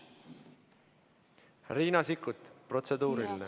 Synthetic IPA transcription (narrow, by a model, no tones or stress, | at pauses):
riːnɑsikːˑut̪pro̞t̪se̞d̪uːɾilːe